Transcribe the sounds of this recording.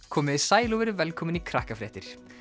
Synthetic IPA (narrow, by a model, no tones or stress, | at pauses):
kʰɔːmɪðisaːjluvɛɾʏvɛlkʰɔmɪnikʰɾahkafɾɛːht̪ɪɾ̥